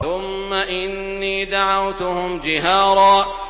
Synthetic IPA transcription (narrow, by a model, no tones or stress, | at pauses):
ʊmːaʔɪnːiːd̪aʕawt̪ʊhʊmd͡ʒɪɦaːɾˤɑː